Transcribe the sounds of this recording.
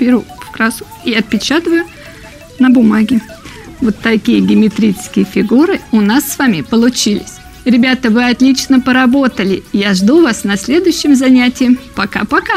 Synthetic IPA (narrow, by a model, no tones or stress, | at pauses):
pʲɪɾufkɾasʊ̥ | iɐt̪̚pʲɪt͡ɕat̪əvəjʊ | nəbʊmaɡʲɪ | vo̞t̪ːɐkʲijəɡʲɪmʲɪt̪ɾʲit͡ʃɪ̥skʲɪjəfʲɪɡuɾɨʊnasːvamʲɪpəlˠʊt͡ɕilʲɪsʲ | ɾʲɪbʲat̪əvɨɐt̪lʲit͡ɕnəpəɾɐbo̞t̪əlʲɪjaʐd̪uvasnɐsʲlʲe̞d̪ʊjʏɕːɪmzɐnʲætʲɪjəmpɐka̰pɐka